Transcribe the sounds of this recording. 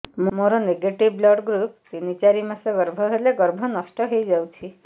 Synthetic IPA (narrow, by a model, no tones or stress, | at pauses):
mmoɾɔneɡeʈiblɔɖɡɾup̚sinit͡ʃaɾimaseɡɔɾbʱɔɦeleɡɔɾbʱɔnɔsʈɔɦejd͡ʒawt͡ʃʰi